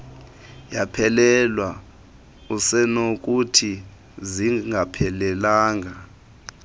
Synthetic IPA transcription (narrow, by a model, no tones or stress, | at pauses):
japʰɛlɛlwa | usɛnok̬utʰi | ziŋɡʱapʰɛlɛlaːŋɡʱa